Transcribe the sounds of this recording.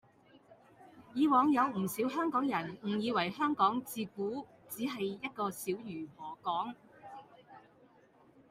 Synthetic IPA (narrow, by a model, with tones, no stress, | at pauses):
jiː˨˧wɔː˨˧ŋjɐ˨˧wm̩˨˩siː˨˥wɦœː˥ŋkɔː˨˥ŋjɐ˨˩nm̩˨˩jiː˨˧wɐ˨˩jhœː˥ŋkɔː˨˥ŋt͡siː˧kuː˨˥ | t͡siː˨˥ɦɐ˨jːɐ˥t̚kɔː˧siː˨˥wjyː˨˩mɔː˨˩kɔː˨˥ŋ